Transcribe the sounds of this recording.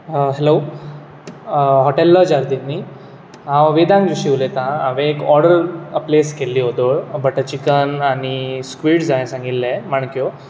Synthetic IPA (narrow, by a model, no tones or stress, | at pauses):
ɦelo | ɦɔʈelːəd͡ʑaɾd̪ini | ãʋʋed̪ãŋkd͡ʑuɕiʋlet̪ãaʋẽːkɔɾɖəɾəpleskelːiːɦod̪oɭbəʈət͡ɕikənaɽ̃iskʋiːʈd͡zajẽsãŋɡit̪ːẽmaɳkjo